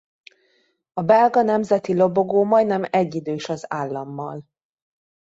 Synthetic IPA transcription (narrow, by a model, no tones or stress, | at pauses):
ɒbɛlɡɒnɛmzɛt̪ilo̞bo̞ɡoːmɒj̪nɛmɛɟːid̪øːʃɒzaːlːɒmːɒl